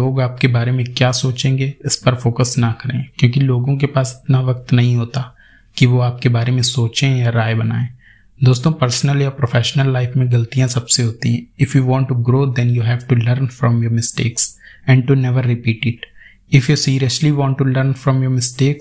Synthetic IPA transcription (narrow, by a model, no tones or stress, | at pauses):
oːɡaːp̚kebaːɾemẽkjaːsoːt͡ʃẽːŋɡeɪspɐɾfoːkəsnakɐɾḛ̃ːkjõːkiloːɡõk̬epaːsɪt̪naʋɐk̚t̪nɐɦĩɦoːt̪a | kiʋoaːp̚kebaːɾemẽsoːt͡ʃẽjaɾaːebɐna̰ːẽː | d̪oːst̪õːpəɾsnəljapɾofʰɛːʃnəlːaɪfmẽɡɐlt̪ijãsɐbseɦoːt̪ĩɦɛ̃ɪfjuːʋɔ̃ːɳʈːuɡɾoːd̪ɛ̃njuɦɛːʋʈuləɾnfɾɔ̃mjoːɾmɪsʈḛːksɛ̃ːɳɖʈunɛʋəɾːɪpiːʈɪʈ | ɪfjusiːɾijəsliʋɔ̃ːɳʈːuləɾnfɾɔ̃mjoːɾmɪsʈeːk